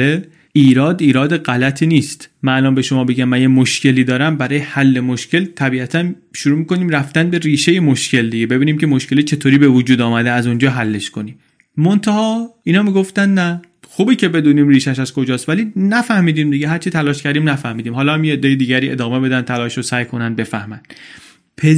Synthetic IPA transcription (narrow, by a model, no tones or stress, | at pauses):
e | iːɾɒːd̪iːɾɒːd̪eɢælæt̪ʰiːniːst̪mæʔnɒːnbe̞ʃomɒːbe̞ɟæmːænjemoʃce̞liːd̪ɒːɾæmbæɾɒːjehælːe̞moʃcʰe̞lt̪ʰæbiːæt̪ʰæn | ʃuɾuːmiːko̞niːmɾæft̪ænd̪be̞ɾiːʃejemoʃcʰe̞ld̪iɟe̞be̞biːniːmcʰe̞moʃce̞let͡ʃʰe̞t̪ʰoːɾiːbe̞vod͡ʒuːd̪ɒːmæd̪eæzund͡ʒɒːɦælːeʃkoniːm | mont̪ʰæhɒːiːnɒːmiːɡoft̪ænd̪næ | xuːbiːcʰe̞be̞d̪uːniːmriːʃæʃæzkod͡ʒɒːst̪vælinæfæhmiːd̪iːmd̪iɡeɦæɾt͡ʃʰit̪ʰælɒːʃcʰæɾd̪iːmnæfæhmiːd̪iːmɦɒːlɒːhæmjeed̪ːejed̪iːɟæɾiːʔḛd̪ɒːme̞be̞d̪ænd̪̚t̪ʰælɒːʃɾosæjkʰo̞nænd̪be̞fæhmænd̪̥ | pʰe